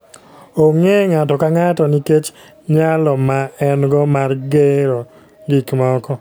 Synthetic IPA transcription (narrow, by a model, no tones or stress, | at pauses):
oŋeŋatɔkaŋatɔniket͡ʃ | ɲalɔmaɛnɡɔmarɡeɾo | ɡikmɔkɔ